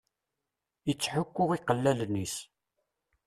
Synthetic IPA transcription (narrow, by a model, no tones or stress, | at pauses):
jət͡sːħʊkʷːʊʁiqəlːælnis